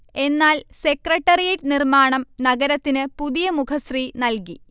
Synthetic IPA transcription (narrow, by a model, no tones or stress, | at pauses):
e̞nːaːlse̞krɐʈːɐrijeʈːɨnirmaːɳɐmnɐɡɐɾɐt̪ːinɨpuðijɐmukʰɐsriːnɐlki